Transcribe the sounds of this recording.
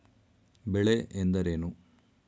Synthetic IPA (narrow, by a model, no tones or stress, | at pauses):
beɭeʔend̪ɐɾenu